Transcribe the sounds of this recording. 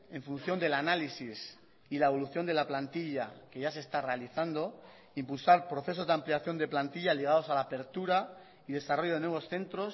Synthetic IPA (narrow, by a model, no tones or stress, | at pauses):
e̞ɱfunθjo̞nd̪e̞lanalisis | ilaeβ̞o̞luθjo̞nd̪e̞laplant̪iʎake̞ʝas̬e̞st̪are̞aliθand̪o̞ | impulsaɾpɾoθe̞so̞zd̪ampliaθjo̞nd̪e̞plant̪iʎaliɣ̞aðo̞salaːpe̞ɾt̪uɾa | iðe̞saro̞ʝo̞ðe̞nwe̞βo̞sθe̞nt̪ɾo̞s